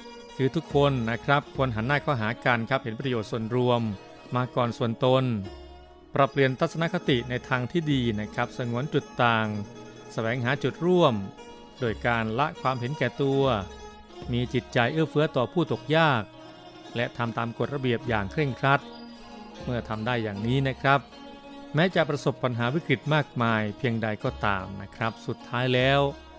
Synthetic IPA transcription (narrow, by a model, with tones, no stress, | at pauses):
kʰɯː˨˦t̪ʰu˦˥kʰːo˧nːa˦˥kʰɾa˦˥p̚kʰo˧nɦa˩˦nːaː˥˩kʰɔː˥˩ɦaː˩˦ka˧nkʰa˦˥p̚he˩˦npɾa˧joː˨˩t̪̚su˨˩ənɾu˧əmː | aː˧kɔː˨˩nsu˨˩ənt̪o˧n | pɾa˧˩pli˨˩ənt̪ʰa˦˥t̪̚sa˧na˦˥kʰa˦˥t̪i˨˩ʔna˧jt̪ʰaː˧ŋt̪ʰiː˥˩diː˧na˦˥kʰa˦˥p̚sa˧ŋu˩˦ənt͡ɕu˨˩t̪ːaː˨˩ŋ | sa˧wɛː˩˦ŋɦaː˩˦t͡ɕu˨˩t̪̚ɾu˥˩əm | doː˧˩jkaː˧nla˦˥ʔkʰwaː˧mɦe˩˦nkɛː˨˩t̪u˧ɐ | miː˧t͡ɕi˨˩t̪̚t͡ɕa˧jʔɯː˥˩fɯ˦˥ɐt̪ɔː˨˩pʰuː˥˩t̪o˨˩k̚jaː˥˩k̚ | lɛ˦˥ʔt̪ʰa˧mt̪aː˧mko˨˩t̪̚ɾa˧bi˨˩əp̚jaː˨˩ŋkʰɾe˥˩ŋkʰɾa˦˥t̪̚ | mɯ˥˩ɐt̪ʰa˧mdaː˥˩jːaː˨˩ŋniː˦˥na˦˥kʰɾa˦˥p̚ | mɛː˦˥t͡ɕa˨ʔpɾa˧so˨˩pːa˧nɦaː˩˦wi˦˥kɾi˨˩t̪̚maː˥˩k̚maː˧jpʰi˧əŋda˧jkɔː˧˩t̪a̰ː˧mna˦˥kʰɾa˦˥p̚su˨˩t̪ʰːaː˦˥jlɛː˦˥w